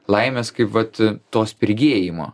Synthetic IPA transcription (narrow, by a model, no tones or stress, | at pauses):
lˠɐɪmʲeskɐɪpʋɐt̪t̪oːspʲɪɾʲɡʲeːjɪmo̰ː